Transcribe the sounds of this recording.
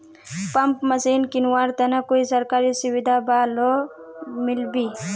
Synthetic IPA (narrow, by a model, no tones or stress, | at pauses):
pɐmpmɐsinkinwaːɾt̪ɐnɐkoːisɐɾkaːɾisʊwid̪ʱabaːlo | mɪlbi